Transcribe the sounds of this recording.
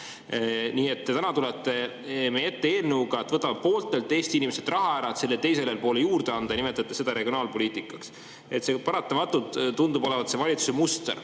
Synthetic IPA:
niːe̞t̪ːet̪ænɑt̪ulet̪ːe̞ | mee̞t̪ːe̞eːlnuːɡɑt̪ːvɤt̪ːˑɑmɑpo̞ːlt̪ːˑelt̪ːˑeːst̪iinimese̞d̪̥rʔɑɦɑæɾɑt̪se̞lːe̞t̪e̞js̬e̞lelpo̞ːlejuːrd̪̥e̞ɑnd̪̥ɑjɑnimet̪ːˑɑt̪ːˑese̞d̪ɑɾe̞ɡ̥ʲio̞nɑːlpo̞lʲiːt̪ˑikːˑɑ̥ks | e̞t̪se̞pɑɾɑt̪ːˑɑmɑt̪ːˑut̪ːund̪ubo̞levɑt̪se̞vɑlʲit̪su̥smust̪er

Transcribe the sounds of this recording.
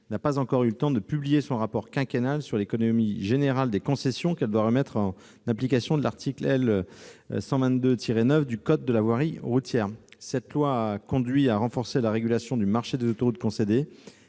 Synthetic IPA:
napazɑ̃kɔʁylət̪ɑ̃d̪əpyblijesɔ̃ʁapɔʁkʲɛ̃kʲenalsyʁlekɔnɔmiʒeneʁald̪ekɔ̃sɛsjɔ̃kɛld̪waʁəmɛt̪χɑ̃ | naplikasjɔ̃d̪əlaʁt̪ʰiklɛl̰ | sɑ̃vɛ̃nt̪̚d̪øt̪ʰiʁenœfd̪ykɔd̪̚dːəlavwaʁiʁut̪jɛːʁsɛt̪lwakɔ̃d̪ɥiaʁɑ̃fɔʁselaʁeɡʲylasjɔ̃d̪ymaʁʃed̪ezot̪ɔʁut̪̚kɔ̃sed̪e

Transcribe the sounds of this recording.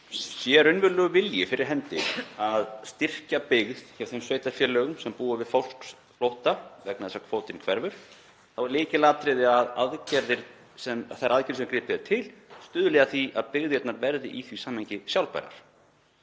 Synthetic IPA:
sjɛɾʏnvʏɾlœɣʏvɪljɪfɪɾɪɾ̥ɦɛnt̪ɪaðst̪ɪr̥capɪɣð̥çɛv̥θejmsveːɥjt̪afjɛlœːɣʏmsɛmpuːavɪðfowl̥ks | flowht̪avɛknaðɛsakʰvoːwt̪ɪnkʰvɛɾvʏɾ̥ | θavaɾlɪːcɪlaːt̪ɾɪðɪaðaðcɛɾðɪɾ | sɛmθajɾaðcɛɾsɛmkɾɪːpɪðɛɾt̪ʰɪlst̪ʏːðʏlɛɣaθiaðpɪɣðɪjɛt̪naɾvɛɾðɪ̰ʔiθvisaːmheɲcɪsjawlpa̰jɾa̰ɾ̥

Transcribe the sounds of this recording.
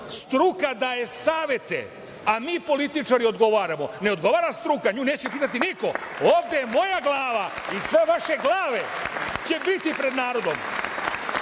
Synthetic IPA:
st̪ɾukad̪aje̞saːʋje̞t̪ḛ | amiːpo̞lit̪it͡ʃaɾio̞d̪ɡo̞ʋaːɾamo̞ne̞o̞d̪ɡo̞ʋaːɾast̪ɾukaɲuːne̞ːt͡ɕepiːt̪at̪iniko̞oːʋd̪ejemo̞jaɡlˠaːʋaisʋe̞ʋaʃe̞ɡlˠaːʋe̞t͡ɕe̞bit̪ipɾe̞d̪naːɾo̞d̪o̞m

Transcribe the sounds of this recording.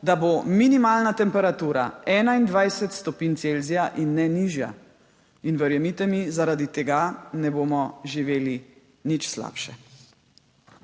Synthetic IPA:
d̪abominimaːlnat̪ɛmpɛɾat̪uːɾa̰ɛːnaind̪ʋajsɛt̪st̪ɔpiːnt̪selzijaʔinːɛniʒja̰ | inʋɛɾjɛmiːt̪ɛmizaɾad̪it̪ɛɡanɛboːmɔʒiʋeːli | nit͡ʃsla̰ːpʃɛ

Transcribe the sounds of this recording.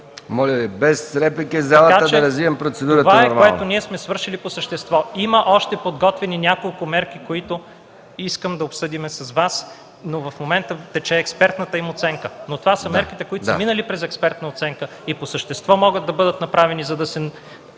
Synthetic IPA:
mɔlʲəvibɛsɾɛplikɛzalˠəaət͡ʃdɛɐɾɐzviɛmpɾot̪sɛd̪uɾətvaɛoɾaoɛt̪oniɛsmɛsvɤɾʃiliposəʃt̪ɛst̪vɔiməʔɔʃt̪ɛpod̪ɡɔt̪vɛninʲakolˠkʊmɛɾk̟ikoit̪ʊ | iskəmd̪ɐopsɤd̪imɛsɐzvas | novɐfmomɛnt̪ət̪ɛt͡ʃɛːkspɛɾt̪nət̪əimot̪sɛŋkənot̪ovasəmɛɾkit̪ɛkoit̪sɐminəlipɾɛzɛkspɛɾt̪nəot̪sɛŋkə | iposəʃt̪ɛst̪vɔmɔɡəd̪̚ɐbɤd̪ət̪nɐpɾavɛnizɐd̪ɐsɛ

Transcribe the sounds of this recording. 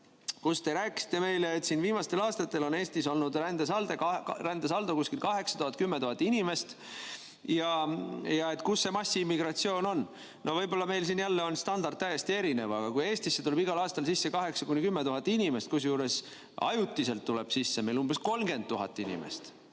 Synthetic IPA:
kust̪e̞ɾæːkːˑsi̥t̪ːˑe̞me̞jleːt̪sinviːmɑst̪e̞lɑːst̪ɑt̪ːˑe̞lo̞ne̞ːst̪iso̞lnud̪rænd̪̥esɑld̪̥ekɑrænd̪̥es̬ɑld̪̥ukuskilkɑɦe̞ksɑ̥t̪uhɑt̪̚kymːet̪uɦɑt̪ːˑinʲime̞st̪ | jɑjɑe̞t̪kusːe̞mɑsːiimːiɡrɑt̪sio̞ːnon | no̞vɤjbo̞lːɑme̞jlsinjælːe̞o̞nst̪ɑnd̪ɑrd̪̥̚t̪æjest̪ie̞ɾine̞vɑɡɑkuje̞ːst̪isːe̞t̪ule̞biɡ̥ɑlɑːst̪ɑlsisːe̞kɑɦe̞ksɑ̥kunʲikymːet̪uɦɑt̪ːˑinʲime̞st̪̚kus̬juːɾe̞s | ɑ̰jut̪ːˑise̞lt̪ːuleb̥sisːeme̞jlumbe̞sko̞lmɡ̥e̞nt̪ːuɦɑ̰t̪ˑːinʲḭmḛst̪

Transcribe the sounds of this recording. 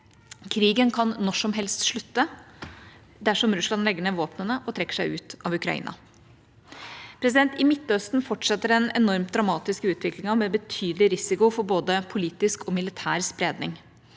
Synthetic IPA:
kʰɾiːɡənkʰɑnːɔʂɔmɦɛlst̪ʂɭʉt̪ːə | d̪æʂɔmɾʉslɑnlɛɡəɳəʋoːpnənəʔɔt̪ʰɾɛkːə̥ʂæɪʉːt̪ɑʋʉkɾɑ̰ḭːnɑ̰ | pʰɾɛs̬ɪd̪ɛnt̪ɪmɪt̪ːœst̪n̩fɔʈʂɛt̪ːəɾɛnɛ̰nɔɾmt̪d̪ɾɑmɑːt̪ɪskʉːt̪ʰʋɪklɪŋɑmɛbət̪ʰyːd̪əlɪɾɪsɪkʊfɔɾboːd̪əpʰʊliːt̪ɪskʰɔmɪlɪt̪ʰæːɾspɾeːd̪nɪŋ

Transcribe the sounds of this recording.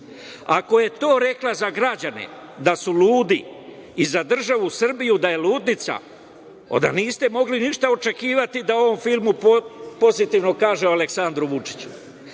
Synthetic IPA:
ako̞je̞t̪o̞ːɾe̞klˠazaɡɾad͡ʑanḛ | d̪asuluːd̪iː | zad̪r̩ʒaʋusr̩bijud̪aje̞luːd̪nit̪sa̰ | o̞̰d̪a̰niːst̪e̞mo̞ɡliniʃt̪ao̞t͡ʃe̞kiːʋat̪id̪ao̞ʋo̞mfilˠmuppo̞zit̪iʋno̞kaːʒeoale̞ksand̪ɾuʋut͡ʃi̥t͡ɕu̥

